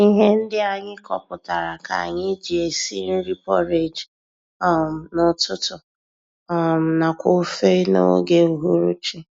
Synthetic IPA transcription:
i˦ɦe˦n̩˦dɪ˦a˨ɲɪ˦kɔ˨pʊ˨ta˨ɾa˨ka̰˨ɲɪ˦d͡ʒi˨e˨sḭ˦n̩˦ɾi˦pɔ˦ɾe˨d͡ʒ | ɔ˦m̩˨nʊ˦tʊ˦tʊ˨ | ɔ˦˨m̩˨na˨kʷo˦fe˦no̰˦ɡe˦u˨ɦu˦ɾu˦t͡ʃi˦

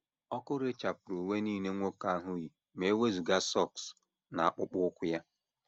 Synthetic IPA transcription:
ɔ˦kʊ˦ɾe˦t͡ʃa˨pʊ˨ɾu˨we˦niː˦˨ne˦ŋʷo˦ka˦ɦʊ˦ɣi˨ | me˨e˦we˦zu˨ɡa˦sɔ˦˨ks | na˨a˦k͡pʊ˦k͡pʊ˦ʊ˦kʷʊ˦ja˦

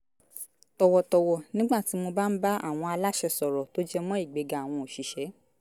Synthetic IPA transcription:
tɔ˧wɔ˧tɔ˧wɔ˧nĩ˦ɡ͡ba˦˨ti˨˦mo˧ba˦n̩˦ba˦a̰˦˨w̃ɔ̃˧a˧la˦ʃɛ˧sɔ˨ɾɔ˨to˦d͡ʒɛ˦mɔ̃˦i˦˨ɡ͡be˨˧ɡa˨w̃ɔ̃˧o˨ʃi˨ʃɛ˨˦

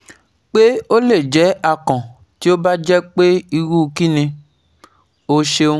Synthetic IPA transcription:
k͡pe˦o˦le˦˨d͡ʒɛ˨˦a˦˨kɔ̃˨ | ti˦o˦ba˦d͡ʒɛ˦k͡pe˦i˧wu˦˧ki˦nĩ˧ | o˧ʃe˧ũ˦

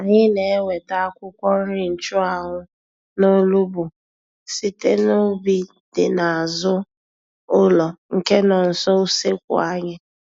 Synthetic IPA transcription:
a˨ɲɪ˦ne˨e˦wʷe˨ta˦a˦kʷʊ˦kʷɔ˦n̩˦ɾɪ˦n̩˨t͡ʃʊ˦a˨ɦʊ˦ | no˦lu˦bʊ˨ | si˦te˦no˦bi˦ | d̥ɪ˨na˨a˨zʊ˦ | ʊ˦lɔ˨ŋ̩˨ke˦nɔ˨n̩˨sɔ˦u˦se˦kʷʊ̰˨a˦ɲɪ˦

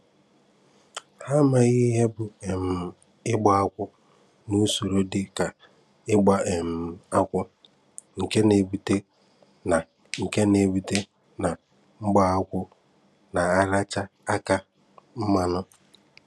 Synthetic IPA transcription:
ha˦ma˨ɣɪ˦ɦe˦bʊ˨e˨m̩˨ | ɪ˦ɡ͡ba˦a˦kʷʊ˦ | nu˦so˨ɾo˦dɪ˦ka˨ | ɪ˦ɡ͡ba˦e˨m̩˨a˦kʷʊ˦ | ŋ̩˨ke˦ne˨bu˨te˦ | na˨ | ŋ̩˨ke˦ne˨bu˨te˦ | na˨ | ŋ͡m̩˦ɡ͡ba˦a˦kʷʊ˦ | na˨a˦ɾa˦t͡ʃa˦a˦ka˦ | m̩˦ma˦nʊ˦

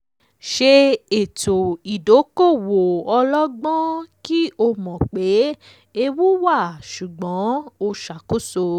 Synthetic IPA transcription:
ʃe˧e˨to˨i˨do˨˦ko˦˨wo˨ɔ˧lɔ˦ɡ͡bɔ̃˦ki˦o˧mɔ̃˨k͡pe˨˦ | e˧wu˦wa˦˨ʃu˨ɡ͡bɔ̃˨˦o˧ʃa˨ko˦so˧

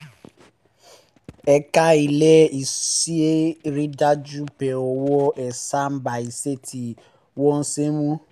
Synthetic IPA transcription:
ɛ˦ka˦i˨lɛ˦i˨si˦e˦ɾi˦da˦d͡ʒu˦pɛ˨ɔ˨wɔ˦ʔɛ˨sa˦m̩˦ba˨i˨se˦tʰi˨ | wɔ˦n̩˦se˦mũ˦

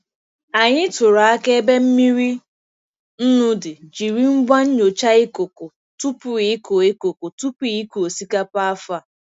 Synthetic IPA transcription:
a˨ɲɪ˦tʊ˨ɾa˨a˦ke˦e˦be˦m̩˦mi˦ɾi˦ | n̩˦nʊ˦dɪ˨d͡ʒi˨ɾi˦m̩˦ba˦n̩˦ɲo˨t͡ʃa˦ɪ˦ko˨kʊ˨ | tu˦pʊ˨˦i˨˦ko˨e˦ko˨ko˨tu˦pi˦ko˨si˦ka˦pa˦a˦fa˦˨

